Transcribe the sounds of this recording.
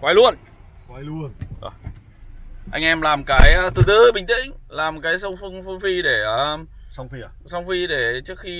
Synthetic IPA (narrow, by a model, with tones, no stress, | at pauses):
kwaː˨˧˩jlu˧ən | kwa˧˦jlu˧ənzo̰˨˩j | ʔa˧jŋ̟ʔɛ˧mlaː˨˩mkaː˨˦jt̪ɨ˨˩t̪ɨ˧ɓï̟˨˩t̪ḭ̈˧˥˨ŋ̟laː˨˩mkaː˨˦jsə˧wŋ͡mfɨ˧ŋfɨ˧əŋfi˧ɗe˧˩ə˩˧ | sɔ˧wŋ͡mfi˧ɗe˧˩t͡ɕɨ˦˥ək̚xi˧